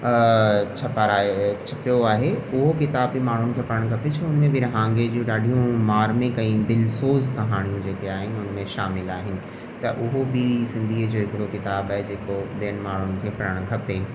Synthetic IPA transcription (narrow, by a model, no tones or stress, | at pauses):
t͡ɕʰɐpaɾat͡ɕʰɐpijoaːɦeʊɦokɪt̪aːbimaːɽ̤ʊñɪ̆kʰeːpɐɾəɽ̃ɡʱɐpet͡ɕʰɐʊnmẽbɪɾɐɦãːŋɡed͡ʑiũɗaːɖʱijũmaːɾmẽkɐ̃ĩd̪ɪlsoːzkɐɦaːɽ̃ijũd͡ʑeːkeaːɦɪnɪʊnmẽʃaːmɪlaːɦɪnɪ̆ | t̪ɐʔʊɦobɪsɪ̃nd̪ʱiːd͡ʑoːɦɪkɪɽokɪt̪aːbaːɦed͡ʑeːkoɓijənɪ̆maːɽ̤ʊnɪ̆kʰeːpɐɾəɽ̃ɡʱɐpe